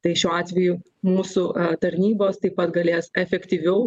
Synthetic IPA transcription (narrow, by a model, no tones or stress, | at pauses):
t̪ɐɪʃʲuːɑːt̪ʲʋʲɛjʊ | muːsʊt̪ɐɾʲnʲiːboːst̪ɐɪppɐt̪ɡɐlʲeːsɛfʲɛkt̪ʲiːʋʲɛʊ